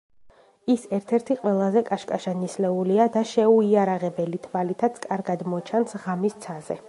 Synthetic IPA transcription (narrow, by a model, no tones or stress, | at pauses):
isɛɾt̪ʰɛɾt̪ʰiqʼwɛlˠazɛkʼaʃkʼaʃanislɛuliad̪aʃɛuiaɾaʁɛbɛlit̪ʰvalit̪ʰat̪sʰkʼaɾɡad̪mɔt͡ʃʰansʁamist̪sʰazɛ̰